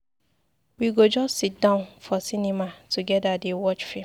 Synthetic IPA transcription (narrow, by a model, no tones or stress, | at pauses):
wiɡod͡ʒɔstːit̚dãʊ̃nfɔsinĩmatʰuɡɛdadewɔt͡ʃfẽ